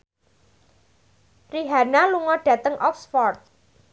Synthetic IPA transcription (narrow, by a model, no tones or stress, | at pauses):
riɦanaluŋɔɖ̥ä̤t̪əŋʔɔksfɔrt̪̚